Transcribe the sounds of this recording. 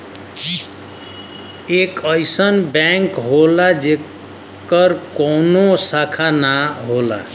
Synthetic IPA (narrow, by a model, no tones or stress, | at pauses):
ekəjsənbɛŋkɦolad͡ʒe | kəɾkɔnosakʰanaɦola̰